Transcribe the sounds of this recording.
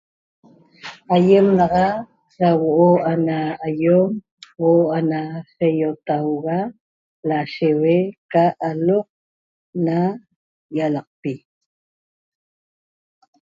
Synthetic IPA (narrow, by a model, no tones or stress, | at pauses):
ajemnɑʁɑ | sawoʔoanaːjom | woanasejot̪awɣa | laʃewekaʔaloq̚ | na | jalɑq̚pi